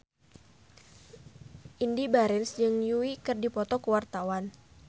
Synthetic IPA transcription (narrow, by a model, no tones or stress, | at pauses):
ʔindibaɾɛnsd͡ʒɨŋjuikɨrdipɔt̪ɔkəwart̪awan